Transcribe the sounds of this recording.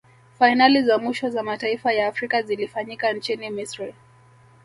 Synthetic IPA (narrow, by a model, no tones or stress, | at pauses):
fainalizamwiʃɔzamataifajaːfɾikazilifaɲikant͡ʃinimisɾi